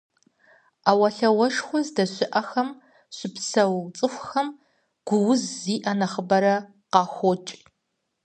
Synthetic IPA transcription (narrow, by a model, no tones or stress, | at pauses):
aːwɐɬɐwɐʂχʷɔzdɐɕɪʔɐxɐm | ɕɪpsɐwt͡sʼɨxʷxɐm | ɡ̥ʷʊwʊzːiːʔɐnɐχəbɐɾɐ | qɑːxʷot͡ʃʼ